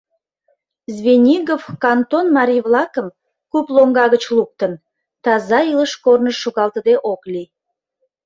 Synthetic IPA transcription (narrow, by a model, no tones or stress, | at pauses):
zβenʲiɣofkɑnt̪onmɑɾʲijβlɑkəm | kuploŋɡɑɣət͡ɕluk̚t̪ən | t̪ɑzɑiləʃkornəʃːuɣɑlˠt̪əd̪eʔokli